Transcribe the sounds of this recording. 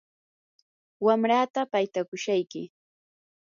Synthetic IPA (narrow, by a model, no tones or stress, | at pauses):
wamɾaːt̪apajt̪akʊʃajkɪ̰